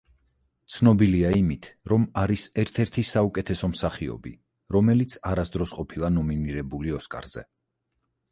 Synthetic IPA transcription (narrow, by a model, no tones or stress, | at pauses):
t̪sʰnɔbiliaimit̪ʰɾɔmaɾisɛɾt̪ʰɛɾt̪ʰisaukʼɛt̪ʰɛsɔmsaχiɔ̰bḭ | ɾɔmɛlit̪sʰaɾasd̪ɾɔsqʼɔpʰilˠanɔminiɾɛbuliɔskʼa̰ɾz̥ɛ̰